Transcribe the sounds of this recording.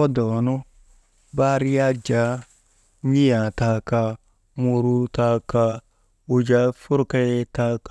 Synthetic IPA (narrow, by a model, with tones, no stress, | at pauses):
ɔ˦dɔ˨nu˦ | ba˦ɾi˦a˦d͡ʒa˨˦ | ɲi˦jã˨ta˨˧ka˧ | mo˧ɾu˦ta˧ka˧ | o˨d͡ʒa˦fu˦ɾka˦ta˧k